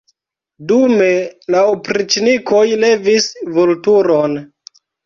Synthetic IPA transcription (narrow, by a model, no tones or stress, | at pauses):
dumelawpɾit͡ʃniko̞jle̞visvoltuɾon